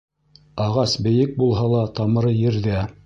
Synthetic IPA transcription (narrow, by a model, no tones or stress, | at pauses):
ɑʁɑsbɘ̆jɘk̚bulˠɦɑlˠɑt̪ɑmɤ̆ɾɤjɘ̆ɾðæ